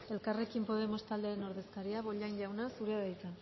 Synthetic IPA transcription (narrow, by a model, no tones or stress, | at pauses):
e̞lkare̞kimpo̞ð̞e̞mo̞st̪ald̪e̞eno̞ɾðe̞skaɾiaβo̞ʎajɲʎawnasuɾeaβajt͡sen